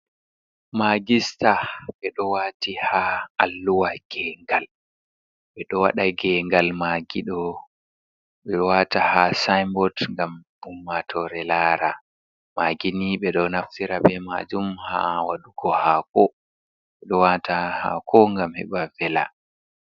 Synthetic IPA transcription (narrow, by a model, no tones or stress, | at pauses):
maɡistaɓɛɗɔwatihaalːuwaɡ̥ɛŋɡal | ɓɛɗɔwaɗaɡɛŋɡalmaɡiɗɔ | ɓɛwatahasajmbɔtŋɡam | umːatʰɔɾɛlaːɾa | maːɡiniɓɛɗɔnaftiɾaɓɛma̰ːd͡ʒumha̰waɗuɡɔhaːkɔ | ɓɛɗɔwataha̰kʰɔŋɡamhɛ̰ɓavɛla̰